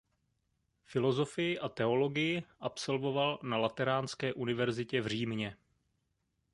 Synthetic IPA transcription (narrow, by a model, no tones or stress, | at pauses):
fɪlo̞zo̞fɪjɪʔat̪ɛo̞lo̞ɡɪjɪʔapso̞lvo̞valnalat̪ɛɾaːnskɛːʔunɪvɛɾzɪcɛvr̝iːmɲɛ